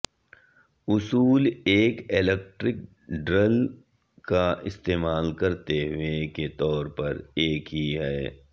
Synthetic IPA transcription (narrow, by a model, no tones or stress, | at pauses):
ʊsuːleːkeleːk̚ʈɾɪk̚ | ɖɾəl | kaɪst̪eːmaːlkɐɾt̪eɦʊeket̪ɔːɾpɐɾeːkɦiɦɛː